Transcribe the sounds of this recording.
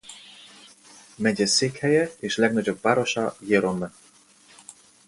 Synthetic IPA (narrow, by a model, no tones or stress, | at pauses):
mɛɟɛsekhɛjɛeʃlɛɡnɑd͡ʑobːaɾoʃɑjeɾonːɤ